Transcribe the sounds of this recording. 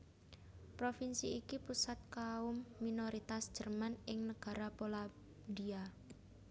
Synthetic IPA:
pɾofinsiikipusat̪̚kaʊmːinoɾit̪asd̥ʒ̥ə̤rmanɪŋnəɡ̥a̤ɾapola | d̪ia

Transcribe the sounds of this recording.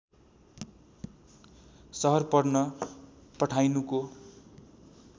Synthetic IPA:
sʌɦʌrpʌrnʌ | pʌʈʰajnuko

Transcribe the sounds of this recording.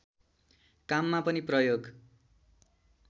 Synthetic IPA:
kamːapʌniprʌjoɡ

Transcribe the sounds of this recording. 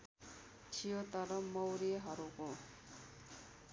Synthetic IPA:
t͡ʃʰijot̪ʌɾʌmʌwɾieɦʌɾuko

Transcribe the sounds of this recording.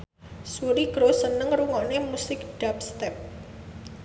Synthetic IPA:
suɾiɡ̥ɾosənəŋruŋonemusɪk̚ɖ̥ap̚st̪ɛp̚

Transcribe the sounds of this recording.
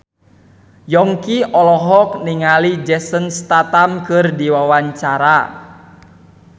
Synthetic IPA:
jɔŋkiɔlɔɦɔk̚niŋalid͡ʒɛsənst̪at̪amkɨrdiwawaɲt͡ʃaɾa

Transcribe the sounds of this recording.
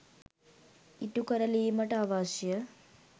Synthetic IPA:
iʈukɐɾɐleːmɐʈaːʋaːʃjɐ

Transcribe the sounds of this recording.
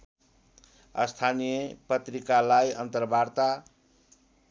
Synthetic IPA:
ʌ̰st̪ʰanijʌpʌt̪rikalajʌnt̪ʌrbart̪a

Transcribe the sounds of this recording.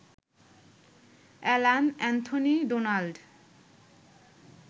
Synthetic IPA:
ɛlanɛnt̪ʰoniɖonalɖ

